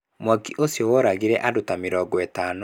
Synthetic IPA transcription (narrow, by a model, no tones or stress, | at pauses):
mwakiʔosjɔwɔɾaɣiɾɛʔadotameɾɔːɡɔɛtaːnɔ